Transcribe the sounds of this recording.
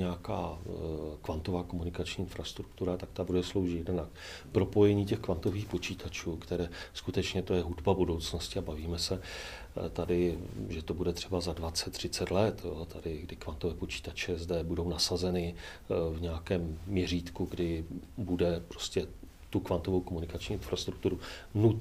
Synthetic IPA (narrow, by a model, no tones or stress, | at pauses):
ɲɛaka̰ː | kvant̪ovaːko̞munɪkat͡ʃɲiːɪnfɾast̪ɾukt̪uɾat̪ak̚t̪abudɛslo̞wʒɪt̪jɛdɛnak | pɾo̞po̞jɛɲiːcɛxkvant̪o̞viːxpo̞t͡ʃiːt̪ʰat͡ʃuːkt̪ɛɾɛːskut̪ɛt͡ʃɲɛt̪o̞jɛɦudbabudo̞wt͡sno̞scɪabaviːmɛsɛ | t̪adɪʒɛt̪obudɛt̪r̥ɛbazadvat͡sɛt̪ːr̝̥ɪt͡sɛt̪lɛt̪jot̪ʰadɪɡdɪkvant̪ovɛːpo̞t͡ʃi̥ːt̪at͡ʃɛzdɛbudo̞wnasazɛnɪ | vɲɛakɛːmːɲɛriːt̪kuɡdɪbudɛpɾo̞scɛ | t̪ukvant̪o̞vo̞wkomunɪkat͡ʃɲiːɪnfɾast̪ɾuk̚t̪uɾunut̪